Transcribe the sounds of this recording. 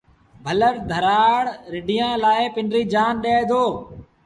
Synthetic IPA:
bʱələɾd̪ʱəɾaːɽɾɪɖɪjãːlaːeːpɪɳɾiːd͡ʒaːnɗeːd̪ʱoː

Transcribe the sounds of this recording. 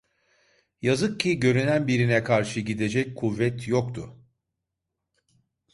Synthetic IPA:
jazɯk̚cʰːiɟø̞ɾynænbiɾinɛkʰaɾʃɯɟid̪e̞d͡ʒɛc̚kʰuvːɛt̪jokt̪ʰʊ

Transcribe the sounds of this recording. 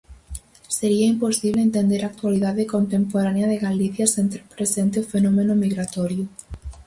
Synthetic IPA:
seɾiɐimposiβleent̪end̪eɾaːk̚t̪waliðaðekont̪empoɾaneɐðeɣaliθjɐsent̪ɾepɾesent̪eʊfenɔmenʊmiɣɾat̪ɔɾjʊ

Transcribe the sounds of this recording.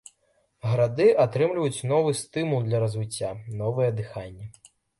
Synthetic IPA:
ɣɐɾad̪ɨʔat̪ɾɨmlʲvɐjut͡sʲnɔvɨst̪ɨmulˠd̪lʲɐɾɐzvɨt͡sʲːanɔvɨjɛd̪ɨxanʲːɐ

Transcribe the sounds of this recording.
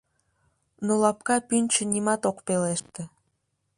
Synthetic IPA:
nolɑpkɑpynʲt͡ɕənʲimɑt̪okpeleʃt̪ĕ

